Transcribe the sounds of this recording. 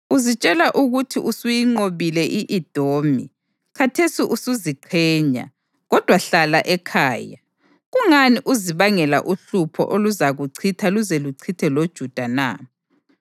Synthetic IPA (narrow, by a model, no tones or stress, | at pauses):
uzit͡ʃʼɛlaʔuɣutʰiʔusujiŋ͡ǀoβilɛʔiʔid̥ʱoːmḭ | kʰatʰesiʔusuziǃʰɛːɲa̰ | ɣɔd̥ʱwaɬalaʔɛkʰaːja | ɣuŋaniʔuziβaŋɛla̰ʔuɬupʰɔ̰ʔoluzaɣuǀʰitʰaluzeluǀʰitʰɛlod̥ʒ̥ʱud̥ʱana̰